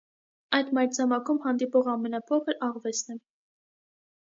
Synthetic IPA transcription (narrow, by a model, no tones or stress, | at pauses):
ɑjt̪mɑjɾt͡sʰɑmɑkʰumhɑnd̪ipɔʁɑmɛnɑpʰɔkʰəɾɑʁvɛt͡sʰnɛ